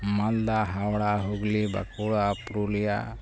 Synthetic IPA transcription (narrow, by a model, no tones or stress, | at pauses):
mald̪aɦawɽaɦuɡliba̰kuɽapɾulija̰